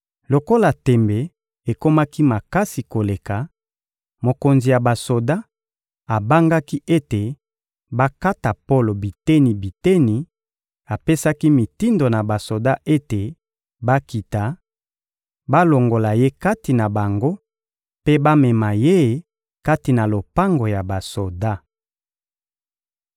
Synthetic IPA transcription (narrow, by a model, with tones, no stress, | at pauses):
lo˨ko˦la˨tɛ˨mbe˨ | e˨ko˦ma˦ki˦ma˨ka˦si˨ko˨le˨ka˨ | mo˨ko˨nzi˨ja˨ba˨so˨da˦ | a˨ba˦ŋɡa˦ki˦ʔe˦te˨ | ba˦ka˦ta˨po˦lo˨bi˨te˦ni˨bi˨te˦ni˨ | a˨pe˦sa˦ki˦mi˨ti˦ndo˨na˨ba˨so˨da˦ʔe˦te˨ | ba˦ki˨ta˨ | ba˦lo˨ŋɡo˨la˨je˦ka˦ti˨na˨ba˨ŋɡo˦ | pe˦ba˦mɛ˨ma˨je˦ | ka˦ti˨na˨lo˨pa˦ŋɡo˨ja˨ba˨so˨da˦